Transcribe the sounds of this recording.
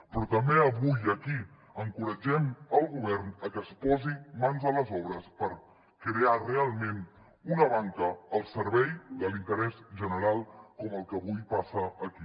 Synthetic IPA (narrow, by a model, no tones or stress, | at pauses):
pɾɔt̪əmbeəβujəki | əŋkuɾəd͡ʒɛməlˠɣuβɛɾnəkəspɔzimanzələzɔβɾəspəɾ | kɾearealˠmẽn | unəβaŋkəːlˠsəɾβɛjðəlint̪əɾɛzʒənəɾalˠkɔməlˠkəβujpasəːki